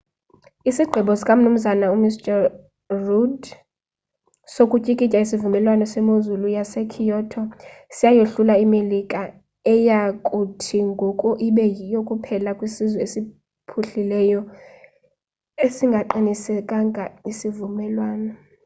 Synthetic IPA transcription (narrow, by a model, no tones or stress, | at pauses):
isiɡ͡ǃʱɛɓɔskʼamunum̩zanaumistʼɛ | rud | sokʼucʼikʼicʼaisivumɛlwanɔsɛmozulujasɛkʰijɔtʰɔsijajeɬulaimelikʼa | ɛjakʼutʰiŋɡʱɔkʼuʔiɓɛjijokʼupʰɛlakʼwisizwɛesi | pʰuɬilɛjɔ | esiŋɡʱaǃinisɛkʼaŋɡʱaisivumɛlwaːnɔ